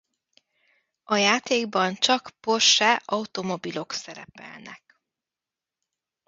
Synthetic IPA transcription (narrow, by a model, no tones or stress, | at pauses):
ɒjaːt̪eːɡbɒnt͡ʃɒkpo̞rʃaːɒut̪o̞mo̞bilo̞ksɛɾɛ̰pɛ̰lnɛ̰k